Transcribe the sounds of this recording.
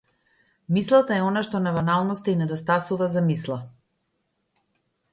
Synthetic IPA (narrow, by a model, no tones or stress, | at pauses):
mislˠat̪aɛɔnaʃt̪ɔnavanalˠnɔst̪ainɛd̪ɔst̪asuvazamislˠa